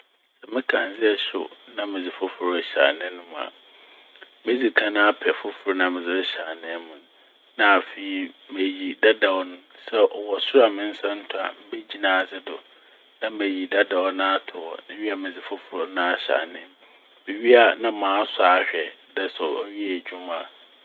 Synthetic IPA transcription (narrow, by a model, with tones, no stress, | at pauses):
sɛ˨mɪ̃˦kʰã˨n˦d͡zɪ˦ɛ˨ɕʊ̰˨nã˦mɪ̃˨d͡zɪ˨fʊ˦fʊ˨ɾɕa̰˨nɪ̃˦nʊ̃˦mʊ̃˨a̰˨ | mɪ̃˦d͡zi˨kʰã˦nã˦a˦pʰɛ˨fʊ˦fʊ˨ɾʊ˦nã˨mɪ̃˨d͡zɪ˦ɕa˨nɪ̃˦mʊ̃˨n | nã˦a˨fi˨i˦me˨ji˨da˦da˨wɔ˦nʊ̃˦sɛ˦ʔɔ˨wɔ˨sʊ˦ɾa˨mɪ̃˦n̩˦sã˦n̩˦tʰʊ˦˨a̰˨m̩˦be˦d͡ʑi˦nã˨sɪ˦dʊ˨ | nã˦m̩˦be˨ji˨da˦da˨wɔ˦nã˦a˦tʰʊ˨wɔ̰˨nɪ̃˦ɥi˦a˨mɪ̃˨d͡zɪ˨fʊ˦fʊ˨ɾʊ˨nã˦a˨ɕa̰˨nɪ̃˦m | mɪ˨ɥi˦a˨nã˦mãː˨˦saː˨˦ɕᶣɛ˨dɛ˦sɔ˨ɔ˦ɥi˦ɛ˦˨d͡ʑᶣu˦m˦ã˨